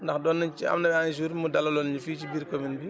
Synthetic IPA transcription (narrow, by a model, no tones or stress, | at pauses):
ndɐxdɔːnːɐt͡ʃiɐ̰mnɐbɛaːnis̬uːɾmudɐlɐlɔnɲifiːt͡ʃibiːɾkominbi